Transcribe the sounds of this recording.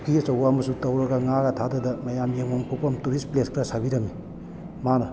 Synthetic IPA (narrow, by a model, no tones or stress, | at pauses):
kiɐt͡ʃɐwamɐsutɐwɾɐɡɐŋaɡatʰadɐdɐmɐjamjeŋomkʰopɐmtuɾispleskʰɾasabiɾɐmi | manɐ